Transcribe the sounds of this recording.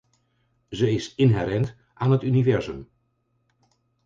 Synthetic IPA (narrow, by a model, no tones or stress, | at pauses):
zəɪsɪnɦɛɾɛnt | ʔaːnɦətynivɛɹzəm